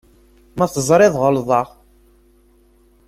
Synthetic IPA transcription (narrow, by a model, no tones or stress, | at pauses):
mæθəzˤɾˤɪðˤʁəlðˤɑʁ